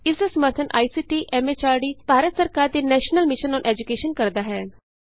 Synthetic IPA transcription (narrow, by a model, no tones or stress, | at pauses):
ɪsd̪aːsəməɾt̪ʰənʔa̰ːisiːʈiːʔɛːmeːt͡ʃaːɾɖiːb̥ʱaːɾət̪səɾkaːɾd̪eːnɛːʃnəlmɪʃənɔːnʔɛːd͡ʒukeːʃənkɐɾd̪aːɦɛː